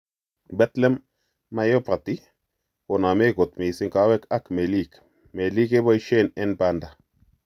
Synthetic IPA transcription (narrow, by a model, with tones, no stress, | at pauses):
bɛ˦t̪lɛ˦mː | a˦jopɾa˨t̪i˦ | ko˨na˨me˦ɡo˨t̪mi˨si˦ŋka˦wɛ˦ka˦kme˨lik | me˨li˦ke˦bɔ˦jʃe˦nɛ˦nbanda˨